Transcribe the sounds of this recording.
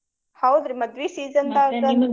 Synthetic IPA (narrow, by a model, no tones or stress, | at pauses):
hawd̪ɾimɐd̪ʋiːsiːzənd̪aːɡɐn